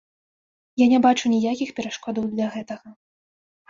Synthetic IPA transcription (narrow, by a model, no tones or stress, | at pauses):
janʲɛbat͡ʂunʲijakʲixpʲɛɾaʂkɔd̪ɐwd̪lʲɐɣɛt̪ɐɣɐ